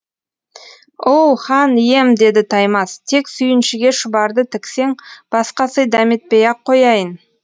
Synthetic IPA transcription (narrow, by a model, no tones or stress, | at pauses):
owχɑnije̞md̪e̞d̪ɪt̪ʰɑjmɑst̪ʰe̞ksʏjɪnʃɪɡʲe̞ʃʊbɑɾd̪ət̪ʰɪkse̞ŋb̥ɑsqɑsəjd̪æmet̪̚pejɑqʰːo̞jɑjən